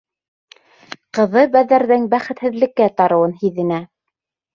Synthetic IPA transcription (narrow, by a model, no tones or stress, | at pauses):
qɤ̆ðɤbæðːæɾðɘŋbæχɘ̆t̪hɘ̆ðlɘ̆kːæt̪ɑɾɤ̆wɤnhiðɘ̆næ